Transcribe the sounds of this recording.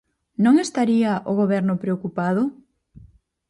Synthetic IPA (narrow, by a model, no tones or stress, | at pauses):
nõŋest̪aɾiɐʔoɣoβɛɾnʊpɾeokupaðʊ